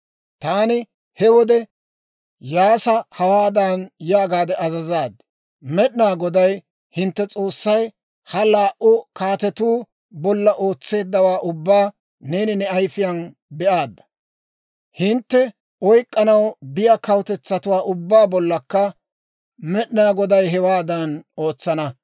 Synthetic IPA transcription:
t̪aːnɪ | hɛwɔd̪ɛ | jaːsɐhɐwaːd̪anjaːɡaːd̪ɛʔɐzɐzaːd̪ | mɛɗɪnaːɡɔd̪ɐj | hɪnt̪ːɛt͡sʼo̞ːsːɐj | hɐlaːʔʊkaːt̪ɛt̪uː | bɔlːɐʔoːt͡sːe̞ːd̪ːɐwaːʔʊbːaː | ne̞ːnɪnɛɐjfɪjɐn | bɛʔaːd̪ːɐ̥ | hɪnt̪ːɛ | ɔjkʼːɐnɐwbɪjakɐwt̪ɛt͡sːɐt̪ʊwaːʔʊbːaːbɔlːɐkːɐ | mɛɗɪnaːɡɔd̪ɐjɦɛwaːd̪ɐno̞ːt͡sːɐnɐ

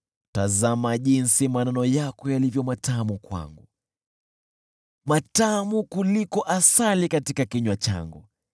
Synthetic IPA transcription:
tazamaʄinsimananɔjakɔjalivjɔmatamukwa̰ŋɡu | matamukulikɔʔasalikatikakiɲwat͡ʃa̰ŋɡṵ

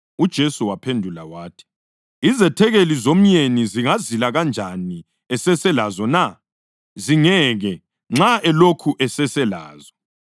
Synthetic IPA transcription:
ud̥ʒ̥ʱesuwapʰendʱula̰waːtʰi̥ | izɛtʰɛɣelizom̩jeniziŋazilaɣand͡ʒʱani | ɛsɛsɛlazɔna | ziŋɛɣɛ | ŋ͡ǁaʔɛlokʰuʔɛsɛsɛla̰ːzɔ

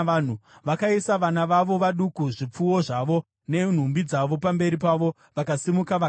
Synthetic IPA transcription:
n̤uʋakaisaʋanaʋaʋo̞ʋaɗukuʐip͡fuwo̞ʐaʋo̞ | ne̞n̤umbid͡zaʋo̞pambe̞ɾipaʋo̞ | ʋakasimukaʋa

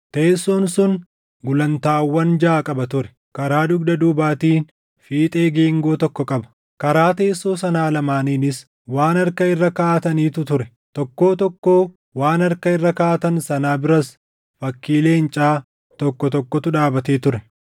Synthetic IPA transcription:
t̪e̞ːsːoːnsʊn | ɡʊlɐnt̪aːwːɐnd͡ʒaːkʼɐbɐt̪ʊɾɛ̥ | kɐɾaːd̪ʊɡd̪ɐd̪uːbaːt̪iːn | fiːt̪ʼe̞ːɡe̞ːŋɡo̞ːt̪ɔkːɔkʼɐbɐ̥ | kɐɾaːt̪e̞ːsːo̞ːsɐnaːlɐmaːniːnɪs | waːnɐɾkɐɪrːɐkaːt̪ɐniːt̪ʊt̪ʊɾɛ | t̪ɔkːo̞ːt̪ɔkːoː | waːnɐɾkɐɪrːɐkaːt̪ɐnsɐnaːbɪɾɐs | fɐkːiːle̞ːnt͡ʃʼaː | t̪ɔkːɔt̪ɔkːɔt̪ʊᶑaːbɐt̪eːt̪ʊɾɛ

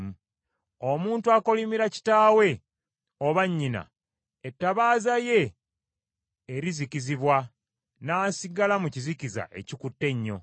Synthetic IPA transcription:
omuːntuako̞limiɾaci̥taːwe̞ | oβaɲːina̰ | etːaβaːzaje̞ | ɾiziciziβwa | naːsiɡalamuciziciza̰ʔe̞̰cikutːe̞ɲːo̞̰

